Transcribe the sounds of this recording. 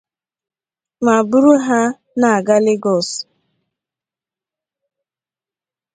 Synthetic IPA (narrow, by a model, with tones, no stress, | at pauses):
ma˨bu˦ɾu˦ɦa˦ | na˨a˨ɡa˦lɪ˦ɡɔ˨s